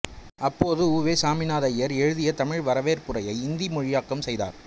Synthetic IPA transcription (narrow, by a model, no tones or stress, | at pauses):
ɐpːoːðɯuːʋeːsaːmɪnaːðɐjɐɾɛɻɯðɪjɐt̪ɐmɪɻʋɐɾɐʋeːɾpɯrɐjɐɪɪnd̪imʊɻɪjaːkːɐmsɛjða̰ːɾ